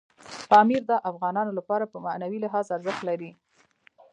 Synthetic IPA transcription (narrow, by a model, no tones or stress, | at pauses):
pɑmiɾd̪ɑʔafɣɑnɑnolapɑɾapəmanawilɪɦɑzaɾzəxt̪laɾi